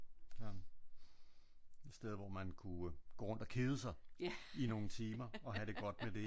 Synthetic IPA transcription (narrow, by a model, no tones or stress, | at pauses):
ɒn | ed̥sd̥eð̞ˠʋɒmænkʰuɡ̥o̝ːʁɔ̽nd̥ɒ̽kʰe̝ðˠəsɑ̈ɪino̝ŋ̩t͡sʰiːmɐɒ̽ɦæd̥e̝ɡ̥ɒ̽d̥med̥e̝